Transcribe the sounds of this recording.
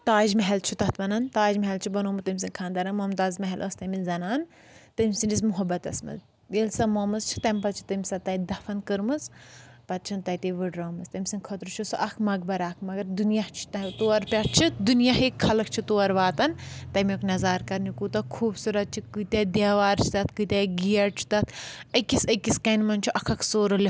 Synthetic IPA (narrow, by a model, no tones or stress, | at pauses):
t̪aːd͡ʒmɐɦɛlt͡ʃʰut̪ɐt̪ʰʋɐnɐnt̪aːd͡ʒmɐɦɛlt͡ʃʰibɐnoːmɨt̪ɐmʲs̬inʲkʰaːnd̪aɾɐnmomt̪aːzmɐɦɛlʔɐst̪ɐminzɐnaːn | t̪ɐmʲsind͡ʒis̬muɦɐbɐt̪ɐ̰smɐ̰z | elʲsɐmomɨzt͡ʃʰi̥t̪ɐmʲpɐt̪t͡ʃʰi̥t̪ɐmʲsɐt̪ɐjd̪ɐfɐnkɨɾmɨzpɐt̪̚t͡ʃʰint̪ɐjt̪eʋɨɖɾɐːmɨst̪ɐmʲsɨnʲkʰot̪ɾut͡ʃʰusuʔɐkʰmɐɡ̚bɐɾaːkʰmɐɡɐɾd̪unjaht͡ʃʰi̥t̪ɐt̪oːɐɾpʲɐɾt͡ʃʰid̪unjaɦikʰɐlɐkʰt͡ʃʰit̪oːɐɾʋaːt̪ɐnt̪ɐmʲoknɐzaːɾkɐɾnikut̪ɐkʰuːbsuɾɐt̪̚t͡ʃʰikut̪ʲed̪ʲaːʋaːɾt͡ʃʰi̥t̪ɐt̪kut̪ʲɐɡijɐɾt͡ʃʰi̥t̪ɐt̪ʰɐkːisɐkiskɐnmɐnt͡ʃʰiʔɐkʰɐkʰsoːɾɐlʲi